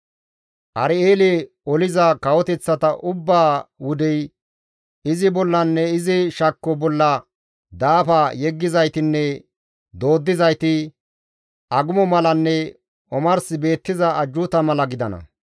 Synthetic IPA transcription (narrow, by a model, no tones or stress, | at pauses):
ʔɐɾɪeːlɛ | ɔlɪzɐkɐwɔt̪ɛt͡sːɐt̪ɐʔʊbːaːwʊd̪ɛj | ɪzɪbɔlːɐnːɛɪzɪʃɐkːɔbɔlːɐ | d̪aːfɐjɛɡːɪzɐjt̪ɪnːɛ | d̪o̞ːd̪ːɪzɐjt̪ɪ | ɐɡʊmɔmɐlɐnːɛ | ɔmɐɾsɪbe̞ːt̪ːɪzɐːd͡ʒːʊt̪ɐmɐlɐɡɪd̪ɐnɐ̰